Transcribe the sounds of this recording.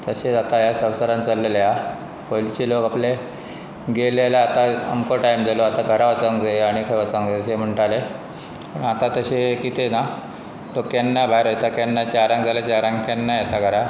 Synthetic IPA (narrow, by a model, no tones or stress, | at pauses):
t̪əɕeat̪ajasəwsəɾãnt͡səlːelja | polit͡ɕilokaple | ɡelelaat̪aə̰mkoʈajmd͡zaloat̪aɡʱəɾaʋət͡saŋɡd͡zaeaɽ̃ikʰajʋət͡sãŋɡd͡zat̪əɕem̤əɳʈale | pəɳat̪at̪əɕekit̪ena | lokjanːabʱaɾot̪akjanːat͡ɕaɾãŋkd͡zalat͡ɕaɾãŋkanːajat̪aɡʱəɾa